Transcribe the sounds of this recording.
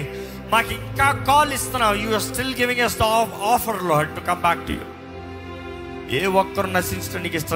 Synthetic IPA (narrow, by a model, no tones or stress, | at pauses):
makikakɔːlist̪ɐnawjuɐsʈɪlɡɪʋɪ̃ŋʌsd̪ɔfəɾlɔɖ̚ʈukʌmbak̚ʈʰṵjṵ | ewʌk̚kːʌɾunasinsʈənikist̪ə